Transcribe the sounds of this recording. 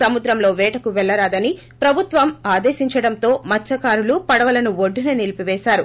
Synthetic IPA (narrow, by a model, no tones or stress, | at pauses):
sɐmud̪ɾɐmlo̞ːʋɛːʈɐkuʋɛɭːɐɾaːd̪ɐni | pɾɐbʱut̪ʋɐmaːd̪eːʃiɲt͡ʃɐɽɐnt̪o̞ːmɐt͡ʃːɐkaːɾulupɐɽɐʋɐlɐnuʋoɖːinɐnilipiʋɛːʃaːɾu